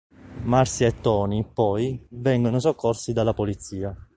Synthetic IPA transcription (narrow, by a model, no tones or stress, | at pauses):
marsiet̪ːɔːnipɔjvɛŋɡonos̬okʰːorsid̪alːapolit̪sːiːa